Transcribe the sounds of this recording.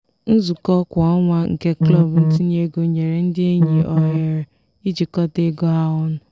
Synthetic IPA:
n̩˦zu˨kɔ˦kʷɔ˦ŋʷa˦ŋ̩˨ke˦klɔ˦˨bn̩˦tɪ˦n˦e˦ɡo˦ɲe˨ɾe˨n̩˦dɪ˦e˦ɲi˨ɔ˦ɦe˦ɾe˨ | i˦d͡ʒi˨kɔ˦te˦ɡo˦ɦa˦ɔ˦nʊ˨

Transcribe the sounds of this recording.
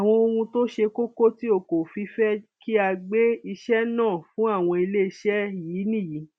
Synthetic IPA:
a˨w̃ɔ̃˧o˧ũ˧to˦ʃe˧ko˦ko˦ti˦o˦˨ko˨fi˧fɛ˦ki˦a˧ɡ͡be˦i˧ʃɛ˦nãː˦˨fũ˦a˦˨w̃ɔ̃˧i˧le˦i˧ʃɛ˦jiː˨˦nĩ˦˨ji˨˦

